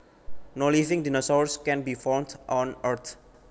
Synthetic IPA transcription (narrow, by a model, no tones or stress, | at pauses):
nolivɪ̃ŋdinosaɹskɛ̃nbifɔwndʔɔ̃nəɹt̪ʰ